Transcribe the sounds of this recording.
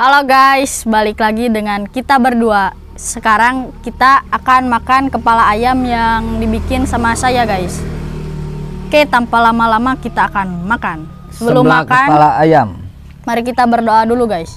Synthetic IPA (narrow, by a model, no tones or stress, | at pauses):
haloɡajsbalɪklaɡidəŋankit̪abərdua | səkaɾaŋkit̪aːkanmakankəpalaːjamjaŋdibikɪnsamasajaɡajs | kajt̪ampalamalamakit̪aːkanmakan | səbəlʊmːakaalaajam | maɾikit̪abərdoaduluɡajs